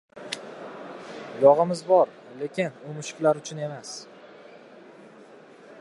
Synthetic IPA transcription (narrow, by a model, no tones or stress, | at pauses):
jɒʁɪmɪzbɒɾ | le̞kʲɪnʊmʊʃɪ̥qlaɾʊt͡ʃʰʊne̞mas